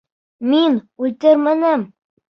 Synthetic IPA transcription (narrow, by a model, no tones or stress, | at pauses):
minʉlʲt̪ɘɾmɘ̆nɘm